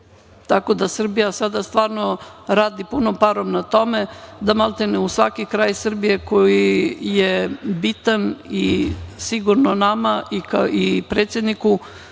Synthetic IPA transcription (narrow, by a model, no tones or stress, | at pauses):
t̪ako̞d̪asr̩bijasad̪ast̪ʋaːɾnoɾaːd̪ipunopaɾomnat̪o̞med̪amalˠt̪enusʋakikɾaːjsr̩bije̞kojijebit̪anisiɡuɾnonamaikaipɾeːt̪sjed̪niku